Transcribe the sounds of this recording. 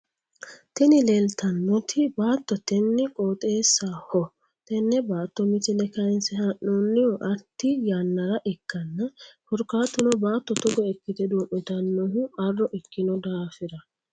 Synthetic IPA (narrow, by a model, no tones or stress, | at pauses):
t̪ɛnɪleːlt̪ɐnːɔt̪ʰɪbaːt̪ːɔt̪ɛnːɪkʼoːt̪ʼeːsːahɔ | t̪ɛnːɛbaːt̪ːɔmɪt͡ʃɪlɛkɐɪnsɛhɐʔːuːnːɪɔʔɐɾt̪ːɪjaːnːɐɾɐʔɛkːɐnːɐhʊɾkaːt̪ːʊnɔbaːt̪ːɔt̪ɔɡ̪ɔɛkːɪt̪ɛd̪uːʔːɪt̪ɐnːɔɦʊɐrːɔʔɛkːɪnɔd̪aːfɪɾɐ